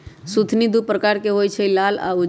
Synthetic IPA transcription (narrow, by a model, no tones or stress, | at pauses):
sut̪ʰnid̪upɾəkaɾkeɦojt͡ʃʰəilala̰ud͡ʒ